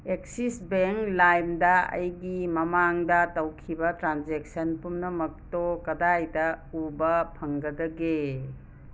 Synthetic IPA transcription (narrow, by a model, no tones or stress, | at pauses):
ek̚sisbeŋklajmdɐɐ̰jɡimɐmaŋdɐtɐwkʰibɐtɾand͡ʒek̚sɐnpumnɐmɐk̚tokɐdajdɐubɐpʰɐŋɡɐdɐɡe